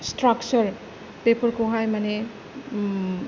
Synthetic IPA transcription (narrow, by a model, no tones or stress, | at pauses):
stɾak̚t͡ʃɐɾ | pepɔɾkʰoɦajmane